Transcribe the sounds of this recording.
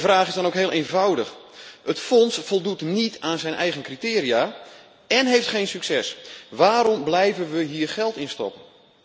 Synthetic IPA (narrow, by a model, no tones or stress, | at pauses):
əvraːχɪzdɔnowkɦɪːlˠʔeːnvɔwdəx | ətfɔnsfɔlˠdutnitaːnzɛjnʔɛjɣənkritɪːriaː | ɛnɦejftχejnsyksɛsʋaːɾɔmblɛjvənʋəɦiːrχɛlˠtɪnstɔ̰pən